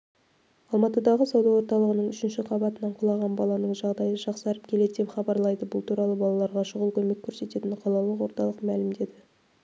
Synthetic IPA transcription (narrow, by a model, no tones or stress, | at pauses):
ɑlˠmɑt̪əd̪ɑʁəsɑwd̪ɑwoɾt̪ɑlˠəʁənəɴʏʃɪnʃɪqʰɑbɑt̪ənɑɴqʰʊlˠɑʁɑnbɑlˠɑnəɴʒɑʁd̪ɑjəʒɑqsɑɾəp̚kʲʰe̞le̞d̪d̪e̞pχɑbɑɾlˠɑjd̪əbʊlˠt̪ʰuɾɑlˠəbɑlˠɑlˠɑɾʁɑʃʊʁəlˠkʲʰɵme̞kʲʰːɵɾse̞t̪e̞t̪ɪɴqʰɑlˠɑwlˠəqwo̞ɾt̪ɑlˠəqmælɪmd̪e̞d̪ɪ